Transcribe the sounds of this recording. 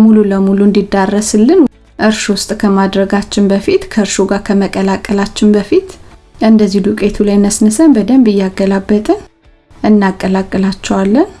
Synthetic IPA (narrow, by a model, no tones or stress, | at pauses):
mululəmuluɨnd̪id̪ːarːəsɨlːɨn | ʔɨɾʃwʊst̪ʼkʰəmad̪ɾəɡat͡ʃːɪnbəfit̪kʰəɨɾʃuɡakʰəməkʼəlakʼːəlat͡ʃːɪnbəfit̪ɨnd̪əzːid̪ukʼe̞t̪ʰulajnəsnəsənbəd̪əmbɨjːaɡːəlabːət̪ʼə | ʔɨnːakʼːəlakʼːəlat͡ʃːɛwalːən